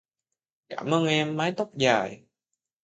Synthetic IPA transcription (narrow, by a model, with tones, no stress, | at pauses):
kaː˧˩mʔəː˧nʔɛ˧mːaː˨˦jt̪o˦˥k͡p̚zaː˨˩j